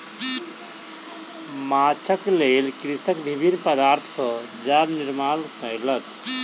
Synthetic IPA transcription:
mat͡ʃʰəkleːlkɾisəkbʱibʱinːpəd̪aːɾt̪ʰsə | d͡ʒabniɾmaːlkələt̪

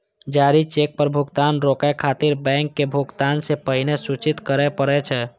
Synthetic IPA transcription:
d͡ʒaːɾit͡ʃek̚pəɾbʱʊɡt̪aːnɾoːkekʰaːt̪ɪɾbɛ̃ːŋkːebʱʊɡt̪ansepəɦɪnesut͡ʃɪt̪kəɾepəɾet͡ʃʰɛ

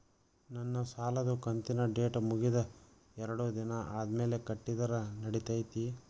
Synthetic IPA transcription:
nɐnːɐsaːlɐd̪ukɐnt̪inɐɖe̞ːʈmuɡid̪ɐ | ɛɾɐɽud̪inɐʔaːd̪ɐme̞ːle̞kɐʈːid̪ɐɾɐnɐɽit̪ɐjt̪i

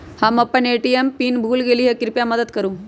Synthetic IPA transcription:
hamɐpːɐneʈijempiːnbʱuːlɡeliɦekiɾpjamɐd̪əd̪kəɾũː

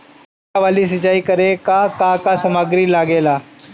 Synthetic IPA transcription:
aʋaːlis̬ɪt͡ʃaːikəɾekakakasɐmaɡɾilaːɡeːlaː

